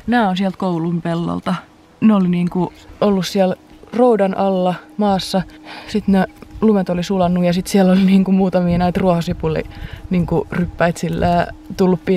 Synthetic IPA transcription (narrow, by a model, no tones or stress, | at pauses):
næːonsiælt̪̚koulumpelːo̰lt̪ɑ | neoliniːŋkuolːussiæl | roudɑnʔɑlːɑmɑːsːɑsit̪nelumet̪olisulɑnːujɑsit̪siælːoliniːŋkumuːt̪ɑmiːnæit̪ruɑhɑsipulḭniːŋkurypːæit̪silːæːt̪ulːuppi